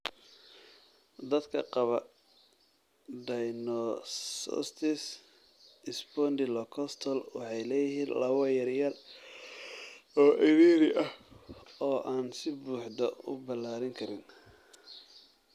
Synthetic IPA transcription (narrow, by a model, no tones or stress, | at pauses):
d̪ɐd̪kʰɐqɑβɐ | ɖɐjnɔsɔ̰st̪ʰɪs | ɪsbɔnd̪ɪlɔkʰɔst̪ʰɔlwɑ̰ħɑjlɛːjɪɦiːnlɐwɐjɐrjɐl | ɔːʔɐðiːɾɪʔɐh | ɔːʔaːnsɪbuːħd̪ɐʊ̰bɐlaːɾɪŋkʰɐɾɪn